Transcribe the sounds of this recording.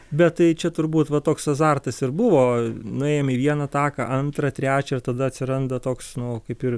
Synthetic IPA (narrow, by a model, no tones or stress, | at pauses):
bʲɛt̪t̪ɐɪt͡ʃʲɛt̪ʊɾbuːt̪ʋɐt̪oːksɐzɑrt̪ɐsɪɾbʊʋoːnʊɛːjɛmiːʋʲiɛnɐt̪ɑːkɐʔɐnt̪ɾɐt̪ʲɾʲæːt͡ʃʲɛɪrt̪ɐd̪ɐɐtʲsʲɪɾɐnd̪ɐt̪oːksnʊkɐɪpɪr